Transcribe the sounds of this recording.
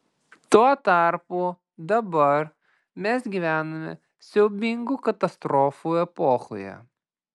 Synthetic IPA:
t̪uɔt̪ɑˑɾpuː | d̪ɐbɐɾ | mʲɛsɡʲiʋʲæːnomʲɛ̰ | sʲɛʊbʲɪŋɡuːkɐt̪ɐst̪ɾɔːfuːɛpoːxo̰jɛ̰

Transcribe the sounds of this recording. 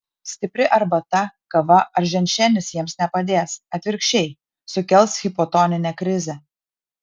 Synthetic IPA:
sʲt̪ʲɪpʲɾʲɪʔɐɾbɐt̪ɐkɐʋɐɐɾʒʲɛnʲʃʲɛnʲɪsjiɛmsnʲɛpɐd̪ʲeːsɐt̪ʲʋʲɪɾʲkʃʲt͡ʃʲɛɪ | sʊkʲɛlʲˠsxʲɪpɔt̪ɔnʲɪnʲɛːkɾʲɪzʲɛ

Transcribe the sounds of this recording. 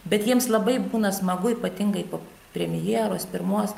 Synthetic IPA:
bʲɛt̪jiɛmslˠɐbɐɪbuːnɐsmɐɡʊiːpɐt̪ʲɪŋɡɐɪpoː | pʲɾʲɛmʲɪjeːɾoːspʲɪɾmuɔs

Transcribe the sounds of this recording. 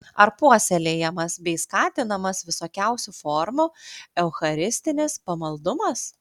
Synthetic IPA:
ɐɾpuɔsʲɛlʲeːjɛmɐsbʲɛɪskɑːt̪ʲɪnɐmɐsʋʲɪsoːkʲɛʊsʲufɔːɾmʊɛʊxɐɾʲɪsʲt̪ʲɪnʲɪspɐmɐlˠd̪ʊmɐs

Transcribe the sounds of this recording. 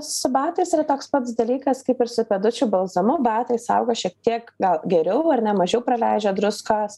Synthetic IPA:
sʊbɑːt̪ɐɪsiɾɐt̪oːkspɐt̪sd̪ɐlʲiːkɐskɐɪpɪɾsʊpʲed̪ʊt͡ʃʲʊbɐlˠzɐmʊbɑːt̪ɐɪsɐ̰ʊɡoːʃʲiɛk̚t̪ʲiɛkɡɐlˠɡʲɛɾʲɛʊɐɾnʲɛmɐʒʲɛʊpɾɐlʲæɪd͡ʒʲɛd̪ɾʊskɑːs

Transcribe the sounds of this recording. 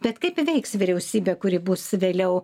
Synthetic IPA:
b̥ʲɛt̪kɐɪpʋʲɛɪksʋʲɪɾʲɛʊsʲiːbʲeːkʊɾʲɪbʊsʋʲeːlʲɛʊ

